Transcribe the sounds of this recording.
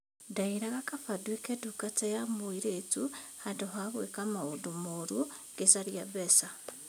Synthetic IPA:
daiɾaɣakafadwikedukatejamuiɾetuhadoɦaɣwekamaodumoɾuɡ̥esaɾjaβɛsa

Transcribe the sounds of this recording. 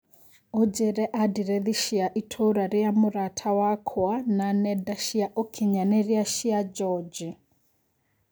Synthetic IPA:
ɔd͡ʒɛɾɛʔadiɾɛðiʃiaʔitʰoɾaɾiamʊɾatʰawakʰɔananɛdaʃiaʔɔkʰiɲanɛɾiaʃiad͡ʒɔd͡ʒi

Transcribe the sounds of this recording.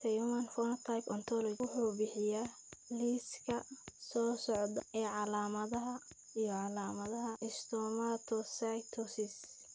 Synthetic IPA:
t̪ʰɐjumɐnfɔnɐt̪ʰajpɔnt̪ʰɔlɔt͡ʃwʊħuːbɪħɪjaː | liskʰɐsɔːsɔʕd̪ɐɛːʕɑlaːmɐðɐɦɐ | ijɔʕɑlaːmɐðɐɦɐʔɪst̪ʰɔmat̪ʰɔsajt̪ʰɔsɪs

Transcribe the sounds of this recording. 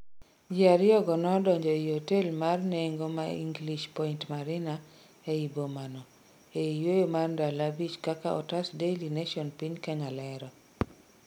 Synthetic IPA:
d͡ʒiaɾɪjɔɡɔnɔdɔɲd͡ʒɔihotelmarneŋɡomaḭŋɡliʃpɔintmaɾɪna | eibomanɔ | eijojomarndalabit͡ʃkakaʔɔ̰tasdelineʃɔnpiɲkɛŋalɛɾɔ

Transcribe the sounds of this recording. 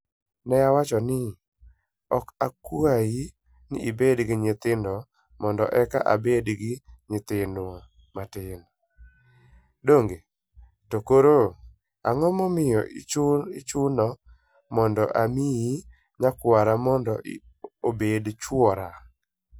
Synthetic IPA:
nɛjawat͡ʃɔnɪ | ɔkakwaji | nɪ̰ʔibedɡɪɲɪt̪ɪndɔ | mɔndɔ̰ʔɛka̰ʔa̰bedɡɪɲɪt̪ɪnd | matɪn | doŋɡe | tokoɾo | a̰ŋɔmɔmɪjɔɪt͡ʃʊnɔ | mɔndɔ̰ʔamiji | ɲakwaɾamɔndɔ | obedt͡ʃwɔɾa

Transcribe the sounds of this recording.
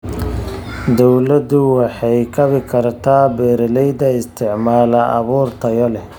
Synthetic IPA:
d̪ɔwlɐd̪ʊwɑħɑjkʰɐβɪkʰɐrt̪ʰaːbɛːɾɐlɛjd̪ɐɪst̪ʰɪʕmaːlɐʔɑ̰βuːrt̪ʰɐjɐlɛ

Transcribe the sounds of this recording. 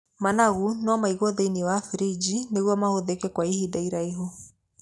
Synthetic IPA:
manaɣunwɔmaiɣɔðeiniwafiɾid͡ʒineɣwɔmahoðekɛkwaihidaiɾaiɦo

